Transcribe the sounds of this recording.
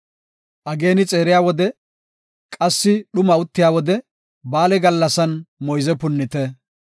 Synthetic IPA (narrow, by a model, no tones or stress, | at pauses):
ʔɐɡe̞ːnɪt͡sʼe̞ːɾɪjaːwɔd̪ɛ | kʼɐsːɪɗʊmɐʊt̪ːɪjaːwɔd̪ɛ | baːlɛɡɐlːɐsɐnmɔjzɛpʊnːɪt̪ɛ